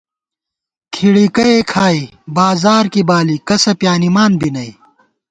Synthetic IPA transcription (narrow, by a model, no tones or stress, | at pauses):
kʰiɽikɐekʰaːi | baːzaːɾkibaːlikɐsɐpjaːnimaːnbinɐi